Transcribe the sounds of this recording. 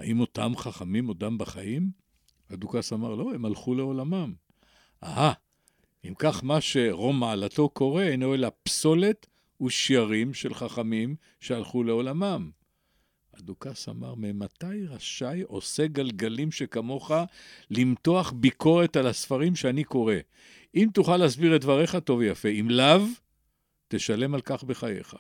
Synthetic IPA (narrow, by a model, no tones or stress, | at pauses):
a̰imo̞tamχaχamimo̞dambaχaim | adukasamaʁlo̞e̞malχule̞o̞lamam | ʔa̰ha | imkaχmaʃe̞ʁo̞maalato̞ko̞ʁe̞enoelapso̞le̞t | uʃjaʁimʃe̞lχaχamim | ʃe̞alχule̞o̞lamam | a̰d̪ukasa̰ma̰ʁmemat̪ajʁaʃajo̞̰se̞ɡalɡalimʃe̞kamo̞χalimto̞aχbiko̞ʁe̞talasfaʁimʃeaniko̞ʁe̞ | imt̪uχalːzbiʁet̚dvaʁe̞χato̞vjafe̞imlav | teʃale̞malkaχbe̞χaje̞̰χḁ